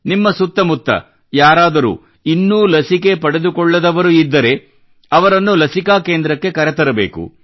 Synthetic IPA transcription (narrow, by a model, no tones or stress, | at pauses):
nimːɐsut̪ːɐmut̪ːɐ̰ | jaːɾaːd̪ɐɾṵ | inːuːlɐsike̞pɐɽe̞d̪ukɔɭːɐd̪ɐʋɐɾuid̪ːɐɾe̞ | ɐʋɐɾɐnːulɐsikaːke̞ːnd̪ɾɐkːe̞kɐɾet̪ɐɾɐbe̞̰ːkṵ